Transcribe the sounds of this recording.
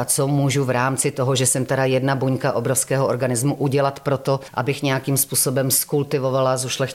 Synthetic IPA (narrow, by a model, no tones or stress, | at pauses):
at͡somuʒuvɾaːmt͡sɪt̪oɦoʒɛsɛmt̪aɾajɛdnabuɲkaʔobɾofskɛːɦoʔoɾɡanɪzmuʔuɟɛlat̪pɾot̪oʔa̰bɪxɲɛjakiːmspuːsobɛmskult̪ɪvo̞valazuʃlɛx